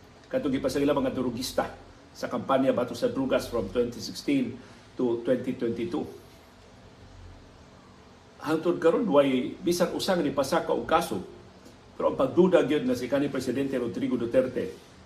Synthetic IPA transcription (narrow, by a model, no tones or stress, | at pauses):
kat̪oŋɡipasailamɐŋad̪ʊɾʊɡist̪a | sakampanjabat̪ʊsad̪ɾuɡasfɾomt̪wɛnt̪isɪkst̪in | t̪ut̪wɛnt̪it̪wɛnt̪it̪u | haŋt̪ʊʔod̪̚kaɾonwajbiːsaŋʔʊsaŋanipasakaʔoɡ̚kaso | pɛɾoʔaŋpaɡ̚d̪udaɡjod̪̚ŋasikanipɾɛsɪd̪ɛnt̪ɛɾod̪ɾiɡod̪ot̪ɛɾt̪ɛ